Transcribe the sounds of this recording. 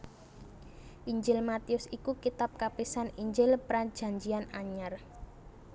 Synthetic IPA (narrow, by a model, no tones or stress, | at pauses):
ʔiɲd͡ʒɪlmat̪iʊsikukit̪ap̚kapisaniɲd͡ʒɪlpɾad̥d͡ʒ̥a̤ɲd͡ʒianaɲar